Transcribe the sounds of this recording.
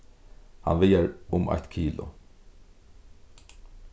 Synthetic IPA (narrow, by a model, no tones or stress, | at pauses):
ha̰nvɪjaɾʊmʔa̰jt̪kʰiːlʊ̰